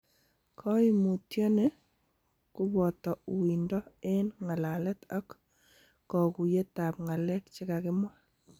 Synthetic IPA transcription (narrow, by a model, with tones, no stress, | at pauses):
kʰɔ˦i˦mu˨tjɔ˦ne˦ | ku˦bɔ˨tɔ˨wi˨ndɔ˦e˦nŋa˨la˨lɛ˦tɔ˦kː | ɔ˨ku˨je˦ta˨pŋa˨lɛ˦tt͡ʃɪ˦ka˨kɪ˦mwa˦